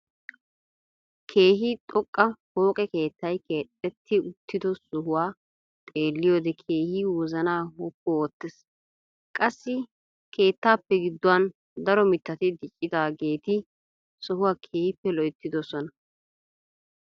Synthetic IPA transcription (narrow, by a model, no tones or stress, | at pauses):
kʰe̞ːɦit̪ʼɔkʼːɐho̞ːkʼɛke̞ːt̪ːɐjkeːt̪ʼːɛt̪ʰːɪʊt̪ːɪd̪ɔsɔɦʊwaː | t̪ʼe̞ːlːɪjoːd̪ɛkʰe̞ːhiːwɔzɐnaːhɔpːɔoːt̪ːɛs | kʼɐsːɪ | kʰe̞ːt̪ːaːpːɛɡɪd̪ːʊwɐn | d̪ɐɾɔmɪt̪ːɐt̪ɪd̪ɪt͡ʃʼːɪd̪aːɡe̞ːt̪ɪ | sɔhʊwaːkʰe̞ːhɪpːɛlɔʔɪt̪ːɪd̪ɔsɔnɐ